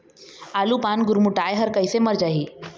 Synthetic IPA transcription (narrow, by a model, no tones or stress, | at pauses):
alupanɡuɾmuʈajɦəɾkəjseməɾd͡ʒaɦiː